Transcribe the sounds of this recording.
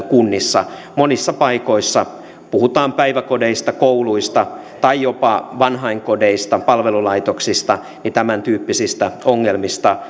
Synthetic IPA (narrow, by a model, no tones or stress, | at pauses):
kunːisːɑ̰ | monisːɑpɑikoisːɑ | puhut̪ɑːmpæiʋækodeist̪ɑkouluist̪ɑ | t̪ɑijopɑʋɑnɦɑiŋkodeist̪ɑpɑlʋelulɑit̪oksist̪ɑ | nit̪æmænt̪yːpːisist̪æoŋːelmist̪ɑ